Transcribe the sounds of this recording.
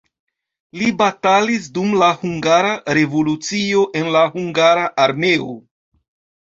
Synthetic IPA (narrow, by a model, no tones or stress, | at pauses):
libatalis̬dumlahuŋɡaɾaɾe̞volut͡sio̞ʔe̞nlahuŋɡaɾaʔaɾme̞o̰